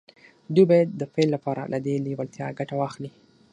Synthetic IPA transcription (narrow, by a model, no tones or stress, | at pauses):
d̪ujbɑjad̪ːəfelːapɑɾa̰lʔad̪eliwalt̪jɑɡaʈawɑxli